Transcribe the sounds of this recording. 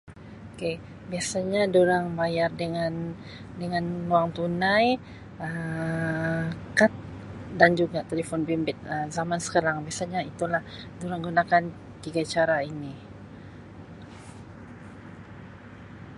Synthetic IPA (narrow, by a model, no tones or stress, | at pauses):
oke | biasaɲaduɾaŋbajardəŋan | dəŋanluaŋt̪unãj | ə | kat̪̚ | dand͡ʒuɡat̪elefɔnbimbɪt̪̚əzamansə̥kaɾaŋbiasaɲait̪ulahduɾaŋɡunakan | t̪iɡat͡ʃaɾaini